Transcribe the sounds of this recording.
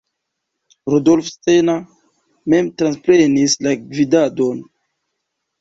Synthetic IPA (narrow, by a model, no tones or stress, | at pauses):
ɾodolfstena | me̞mtɾanspɾenislavidadon